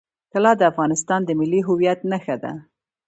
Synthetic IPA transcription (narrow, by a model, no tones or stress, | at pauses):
kalɑd̪əafɣɑnɪst̪ɑnd̪əmɪlːiɦʊwijat̪naxad̪a̰